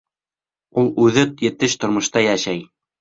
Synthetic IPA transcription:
ulˠʉðɘt̪jɘ̆t̪ɘɕt̪ŏɾmŏʃt̪ɑjæʃæj

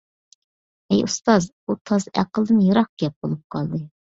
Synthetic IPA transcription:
ɛjʔṵst̪ɑz | ut̪ʰɑzæ̰qəlˠd̪ɨnjɑɾɑq̚ɡʲɛp̚bolˠup̚qʰɑlˠd̪ɨ

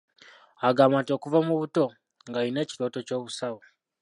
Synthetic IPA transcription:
aɡaːmantio̞ːkuvamuβuto̞ | ŋɡaine̞ːci̥to̞ːto̞co̞ːβusaβo

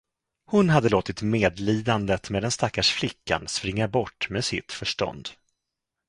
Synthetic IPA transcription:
hʊnɦad̪ːəloːt̪ɪt̪meːd̪liːd̪and̪ət̪meːd̪ɛnst̪akːaʂflɪkːa̰nspɾɪŋːabɔʈːmeːsɪ̰t̪fœʂʈɔ̰nd̪

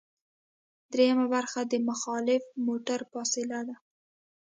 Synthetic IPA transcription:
d̪̥ɾejamabaɾxad̪əmaxɑlɪfmoʈaɾfɑsɪlad̪a

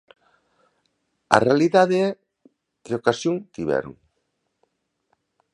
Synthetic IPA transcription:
a̰realiðaðeɛ | ðeokasjoŋt̪iβɛ̰ɾo̰ŋ

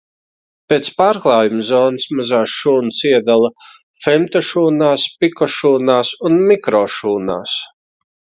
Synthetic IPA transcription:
peːt̪spaːɾklˠaːjumzɔːnɨsmazaːsʃuːnsiɛd̪alˠɐ | fɛmt̪ɔʃuːnaːspikɔʃuːnaːsunmikɾɔːʃuːna̰ːs

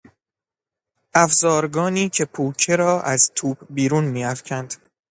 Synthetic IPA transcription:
ʔæfzɒːɾɡɒːniːcʰe̞pʰuːcʰeɾɒːʔæzt̪ʰuːbbiːɾuːnmiːæfcʰænd̪̥

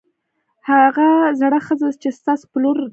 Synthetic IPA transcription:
haɣazaɽaxəzazt͡ʃest̪ɑso̥ploɾ

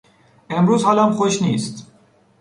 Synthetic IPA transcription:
emɾuːzhɒːlæmxoʃniːst̪

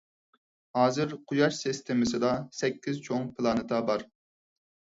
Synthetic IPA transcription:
hɑːzɨɾqʰʊjɑʃsist̪ʰɪmɪsɨd̪ɑsɛkʲːizt͡ʃʰoŋpʰɨlˠɑnɨt̪ʰɑbɑɾ

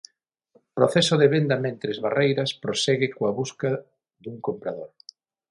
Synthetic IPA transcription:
pɾoθɛsoðeβend̪ɐmẽnt̪ɾezβarejɾɐspɾosɛɣɪkoaβuskɐ | ðuŋkompɾaðoɾ

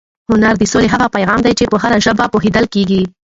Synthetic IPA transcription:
hʊnaɾd̪əsoleɦaɣapajɣɑmd̪ajt͡ʃepəɦaɾaʒəbapoɦed̪əlkeɡi

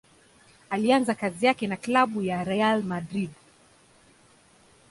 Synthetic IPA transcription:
alianzakazijakɛnaklaɓujaɾɛjalmadɾid

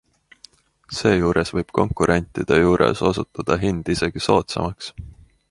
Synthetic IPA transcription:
se̞ːjuːɾesvɤjb̥ko̞̰ŋkˑuɾʔe̞nʲt̪ˑid̪̥e̞juːɾḛso̞sut̪ːˑɑd̪̥ɑɦind̪̥ise̞ɡ̥iso̞ːt̪sɑ̰mɑks

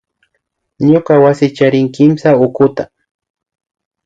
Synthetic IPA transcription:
ɲokawasɪt͡ʃaɾɪŋkɪmsaʊkʊt̪a

